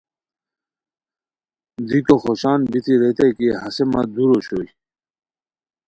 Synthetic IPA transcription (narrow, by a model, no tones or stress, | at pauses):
d̪ikoxoɕaːnbit̪ʰiɾet̪ekiɦɐsemad̪uɾoɕoj